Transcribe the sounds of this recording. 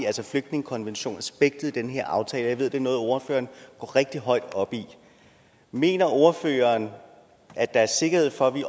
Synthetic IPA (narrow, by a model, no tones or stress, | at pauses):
ælsɒfløɡ̥̚d̥ne̝ŋəkʰɒ̽nʋenɕo̝̰ːnsb̥eɡ̥̚d̥ð̩ˠd̥enɦe̝ɐʔɑ̈ʊt͡sʰɛːləjɑʋe̝ð̞̰ˠd̥e̝nɔ̽ːð̞̩ˠo̝ɐfø̰ːɐːnɡ̥ɒ̰ːʁeɡ̥̚d̥iɦɒ̽ɪd̥ɒ̽b̥i | me̝̰ːnɐʔo̝ɐfø̰ːɐːn | ʔæ̥ɑ̈æɐse̝ɡ̥ɐhe̝ð̞̰ˠfɒ̽ʋiʔ